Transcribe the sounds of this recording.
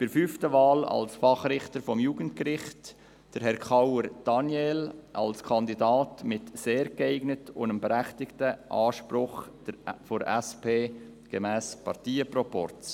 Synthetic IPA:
b̥ɪɾfyftəvaːlɑ̰lsfɑχɾɪχtəɾfɔmjuːɡ̥ənt̚kɾɪχt | d̥əɾɦɛɾkʰɑwəɾd̥ɑnjelʔɑ̰lskʰɑndidɑːtmɪtseːɾɡɛɪɡnətʊ̰ndəmbəɾæχtɪktəʔɑːʃpɾʊχd̥əfoɾɛspeː | ɡ̥əmæːspɑɾtiːəprɔpɔ̰ɾt͡s

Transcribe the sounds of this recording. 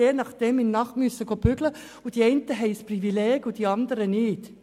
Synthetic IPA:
eːnɑχd̥ɛmɪnnɑχtmysːəɡob̥ʏɡlə | ʊd̥iɛɪntəɦɛɪsprivilɛːɡʊd̥iɑndəɾənɪt

